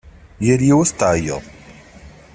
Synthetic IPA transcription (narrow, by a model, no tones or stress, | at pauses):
jəɾjiwæst̪ʕjə̰ðˤ